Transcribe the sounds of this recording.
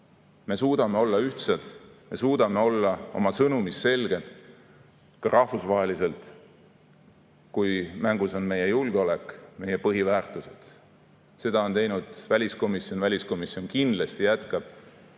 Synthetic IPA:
me̞suːd̪ɑme̞o̞lːɑyht̪sed̪̥me̞suːd̪̥ɑme̞o̞lːɑo̞̰mɑsɤnumisːe̞lɡ̥e̞d̪̥ | kɑɾʔɑhfusvɑɦelise̞lt̪ˑ | kujmæŋɡ̥uso̞nme̞je̞julɡ̥eo̞le̞kːˑme̞je̞pɤɦivæːrt̪ːˑuse̞d̪̥ | se̞d̪ɑo̞nt̪e̞jnud̪̥vælʲisko̞misio̞nvælʲisko̞misio̞nkind̪lest̪ijæt̪kɑb̥

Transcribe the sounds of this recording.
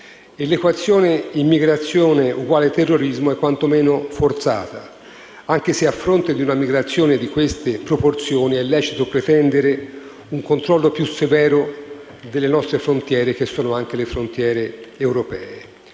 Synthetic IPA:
elːekwat̪sːjoːneimːiɡɾat̪sːjoːneuɡwaːlet̪erːoɾizmoɛkːwant̪omɛːnofort̪sa̰ːt̪a | aŋk̟eseafːɾont̪ed̪iunamiɡɾat̪sːjoːned̪ikwest̪epɾoport̪sjoːniɛlːɛːt͡ʃit̪opɾet̪ɛnd̪eɾe | uŋkont̪ɾɔlːopjusevɛːɾo | d̪elːenɔst̪ɾefɾont̪jɛːɾek̟esːoːnoaŋk̟elefɾont̪jɛːɾeːwɾopɛ̰ːe

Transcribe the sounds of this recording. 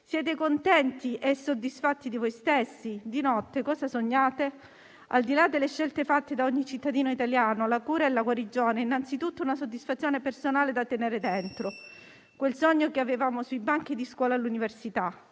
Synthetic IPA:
sjɛːt̪ekont̪ɛnt̪iʔɛsːod̪ːisfat̪ːid̪ivojst̪esːid̪inɔt̪ːekɔːsasoɲːaːt̪e | a̰ld̪ilad̪ːelːeʃːelt̪efat̪ːed̪aoɲːit͡ʃit̪ːad̪iːnoit̪aljaːnolakuːɾaelaɡwaɾid͡ʒoːneinːant̪sit̪ut̪ːounasod̪ːisfat̪sjoːnepersonaːled̪at̪ːeneːɾed̪ɛnt̪ɾo | kwelsɔɲːokeavevaːmosuibaŋk̟id̪iskwɔːlaːlːuniversit̪a

